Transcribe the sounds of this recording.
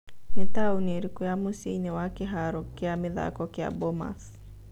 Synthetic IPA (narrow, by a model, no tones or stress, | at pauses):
netauneɾekeamoseinewakeɦaɾɔkeameða̰kɔkea̰boma̰s